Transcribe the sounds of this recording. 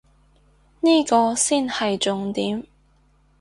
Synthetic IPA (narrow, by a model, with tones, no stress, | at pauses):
niː˥kɔː˧siː˥nhɐ˨jt͡sʊ˨ŋt̪iː˨˥m